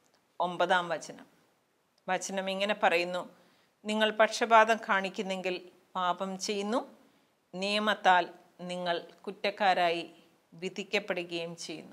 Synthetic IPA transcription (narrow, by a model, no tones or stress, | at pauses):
o̞mbɐðaːmʋɐt͡ɕɐnɐm | ʋɐt͡ɕɐnɐmiŋːɐne̞pɐrɐjunːu | niŋːɐɭpɐʈʂɐbaːd̪ɐmkaːɳikʲːunːe̞ŋɡil | paːbɐmt͡ɕe̞jːunːu | nijɐmɐt̪ːaːl | niŋːɐɭkutːɐkːaːɾaːji | ʋid̪ʱikʲːɐpːe̞ɽuɣɐjumt͡ɕe̞jːṵnːu